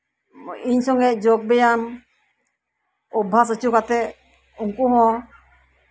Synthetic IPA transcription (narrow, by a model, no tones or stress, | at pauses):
iɲsɔŋɡɛʔd͡ʒɔɡ̚bɛjan | ɔbʱas̬ət͡ʃukat̪ɛ | uŋkuɦɔ̃